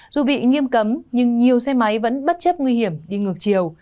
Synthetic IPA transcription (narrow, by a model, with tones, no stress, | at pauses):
zu˨˩ɓḭ˧˨ŋi˧əmkə˨˦mɲɨ˧ŋɲi˨˩əwsɛ˧ma˨˦jvə̰˧˥nɓə˦˥t̚t͡ɕə˦˥p̚ŋwi˧hi˧˩əmɗi˧ŋɨ˨˩ək̚t͡ɕi˨˩əw